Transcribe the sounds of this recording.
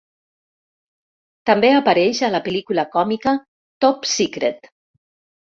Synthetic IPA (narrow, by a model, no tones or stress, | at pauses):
t̪ambeapaɾɛʃalapelikulakɔmika | t̪opsikɾet̪